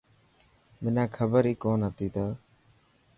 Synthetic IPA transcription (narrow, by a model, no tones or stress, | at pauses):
mɪnaːkʰəbəɾiːkoːnɦət̪iːt̪oː